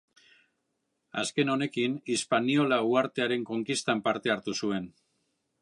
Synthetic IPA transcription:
a̰ske̞no̞ne̞kinispanio̞lauaɾt̪e̞aɾe̞ŋko̞ŋkist̪ampaɾt̪e̞aɾt̪usue̞n

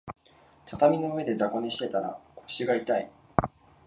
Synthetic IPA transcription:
t̪ʰat̪amʲino̞ɯ̟βe̞d̪e̞zako̞ɲ̟iɕi̥t̪e̞t̪aɾa̰koɕiɡait̪ai

